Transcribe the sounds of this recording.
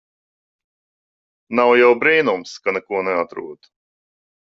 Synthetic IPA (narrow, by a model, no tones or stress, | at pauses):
nawjɛwbɾiːnumskanɛkuɔnɛat̪ɾṵɔd̪̥